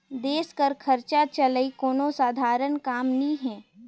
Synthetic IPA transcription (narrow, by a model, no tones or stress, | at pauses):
d̪eːskəɾkʰəɾt͡ʃat͡ʃələikoːnosaːd̪ʱaːɾənkaːmniɦɛ̃ː